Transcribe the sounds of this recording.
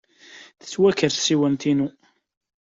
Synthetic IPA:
θə̥t͡sːwækːəɾθsiwænt̪inu

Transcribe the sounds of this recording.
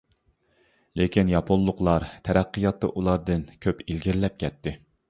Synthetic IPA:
lekʲʰinjɑpʰonlˠʊqlˠɑɾt̪ʰɛɾæqːɨjɑt̪ːɑ̰ʔulˠɑɾd̪ɨnkʲʰøpilɡʲiɾlɛp̚kʲʰɛt̪ʰːɪ

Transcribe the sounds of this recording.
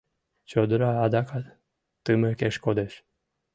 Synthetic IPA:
t͡ʃod̪ɨɾaːd̪aka | t̪ɨməkeʃkod̪eʃ

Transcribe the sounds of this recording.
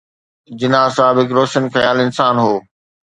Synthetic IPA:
d͡ʑɪnãːsaːbɦɪkɾoːʃənxɐjaːlɪnsaːnɦoː

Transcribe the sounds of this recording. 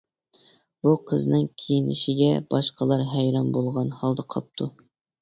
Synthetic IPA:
b̥uqʰəznɨŋkʲʰijinɪ̰ʃiɡʲɛb̥ɑʃqʰəlˠɑɾɦɛjɾɑmbolˠʁɑnhɑlˠd̪ɑqʰɑp̚t̪ʰu

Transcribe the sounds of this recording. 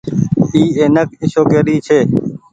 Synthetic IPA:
iːeːnəkɪʃoːkeːɾiːt͡ʃʰeː

